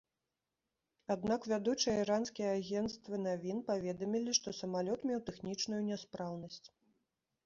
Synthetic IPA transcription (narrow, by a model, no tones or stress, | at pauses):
ad̪nakvʲad̪ut͡ʂɨjɐiɾanskʲijɐaɣʲɛnt̪st̪vɨnavʲinpavʲɛd̪ɐmʲilʲiʂt̪ɔsɐmalʲɔt̪mʲɛwt̪ɛxnʲit͡ʂnujunʲɛspɾawnɐsʲt͡sʲ